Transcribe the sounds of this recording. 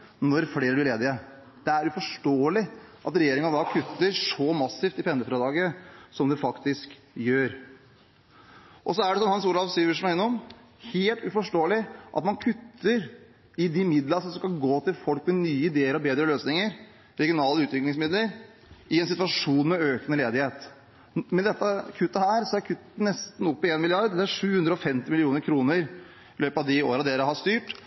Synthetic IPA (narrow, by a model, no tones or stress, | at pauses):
nɔɾfleːɾədɪleːd̪ɪə | d̪̥ɛæɾjʊfɔʂʈoːəlɪ | ʔɑt̪ɾɛjeːɾɪŋənd̪ɑːkʰʉt̪ːəɾʂɔmɑsɪft̪ɪpɛnd̪əfɾɛd̪ɑːɡəsɔmd̪ɛfɑkt̪ɪsk | jøːɾ | ʔɔsɔæɖɛsɔnhɑnsuːɾɑʋsyːʋəʂmɑɛnːɔm | heːlt̪ʉfɔʂʈoːəlɪʔɑ̰t̪mɑnkʰʉt̪ʰːəɾ | ɪd̪ɪmɪd̪ləsɔmskɑlɡoːt̪ʰɪlfɔlkmɛnyːəɪd̪eːəɾɔbeːd̪ɾəløːsnɪŋəɾ | ɾɛɡɪʊnɑːləʉːt̪ʋɪklɪŋsmɪd̪ləɾ | ɪɛnsɪt̪ʉʋɑʂuːnmɛøːkənəleːd̪ɪheːt̪ | mɛd̪ɛt̪ːəkʰʉt̪ːəhæːɾsɔæɾkʰʉt̪ːənɛst̪n̩ɔpːɪeːnmɪlɪɑɾd̪ɛləæʂʉːhʉnd̪ɾəɔfɛmt̪ɪmɪlɪuːnəɾkʰɾuːnəɾ | ɪløːpɑʋd̪ɪoːɾɑd̪eːɾəɦɑst̪yːʈ